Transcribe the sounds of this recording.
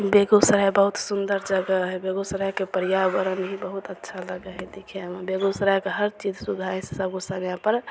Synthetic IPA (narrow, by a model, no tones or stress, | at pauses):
beɡosəɾəɦbəɦut̪sund̪əɾd͡ʒəɡəɦɛbeɡosəɾəɦkepəɾijabəɾənɦibəɦut̪ətːʃʰaləɡəɦɛd̪ikʰembeɡosɾəɦkeɦəɾt͡ʃid͡ʒsud̪ʱaẽsesəbɡusameapəɾ